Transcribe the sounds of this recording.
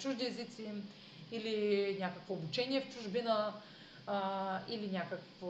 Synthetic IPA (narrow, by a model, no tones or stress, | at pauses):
t͡ʃuʒd̪iɛzit̪si | ilinʲakəkvoːbut͡ʃɛniɛft͡ʃuʒbinə | ilinʲjakəkfo